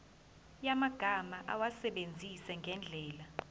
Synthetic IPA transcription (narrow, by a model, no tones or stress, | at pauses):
jamaɡ̥ʱamaʔawasɛɓend͡zʱisɛŋɡʱɛnd͡ɮʱɛːla